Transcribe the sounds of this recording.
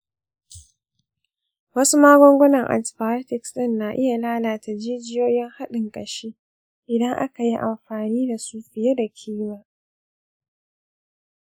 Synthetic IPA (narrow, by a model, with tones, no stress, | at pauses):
wɐ˦su˦maː˦ɡʷɔ˦ŋɡʷɔ˦nɐ˨ŋʔa̰˨spaː˨˦tɪ˨ksɪ˦˨nːaː˨ʔɪ˦ja˨laː˦laː˨ta˨d͡ʒiː˦d͡ʒɪ˦joː˦jɪ˦ŋha˦ɗɪ˨ŋkʼɐ˨ʃiː˦ | ʔɪ˨dɐ˦ŋʔa̰˦ka˨ji˦ʔa˨mɸaː˨niː˦da˨suː˨ɸɪ˨jaː˦da˨kʲʰiː˦maː˦